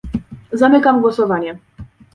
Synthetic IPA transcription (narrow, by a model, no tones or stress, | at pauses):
zamɘkamɡwɔsɔvaɲɛ